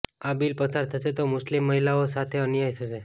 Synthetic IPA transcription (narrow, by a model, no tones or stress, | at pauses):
abilpəsaɾt̪ʰəʃet̪omʊslimːəɦilaosat̪ʰeənjajt̪ʰəʃe